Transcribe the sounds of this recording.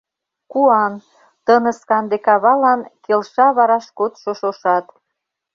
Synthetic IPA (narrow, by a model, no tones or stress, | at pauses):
kuɑn | t̪ənə̆skɑnd̪ekɑβɑlɑnkelʃɑβɑɾɑʃkot̪ʃoʃoʃɑt̪